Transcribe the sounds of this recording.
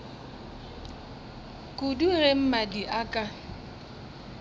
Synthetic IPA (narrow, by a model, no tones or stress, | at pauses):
kʼʊdurem̩madiʔakʼa